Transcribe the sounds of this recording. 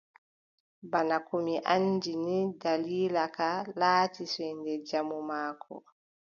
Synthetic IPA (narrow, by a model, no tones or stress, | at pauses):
banakomiʔaɲd͡ʒinidaliːlakalaːtisɛndɛd͡ʒamumaːkʰɔ̰